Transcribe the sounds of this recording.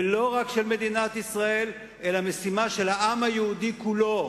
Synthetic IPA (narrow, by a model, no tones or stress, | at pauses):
lo̞ʁakʃe̞lme̞d̪inat̪isʁae̞l | ʔe̞lame̞simaʃe̞laʔamhajeud̪ikulo